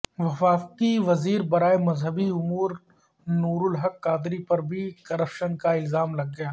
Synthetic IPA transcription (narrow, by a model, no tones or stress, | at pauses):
ʋɐfaːfkiʋɐziːɾbɐɾaːemɐzɦəbiʊmuːɾ | nuːɾʊlɦɐkːaːd̪ɾipɐɾbʱikɐɾəpʃənkaɪlzaːmlɐɡ̚ːɐjaː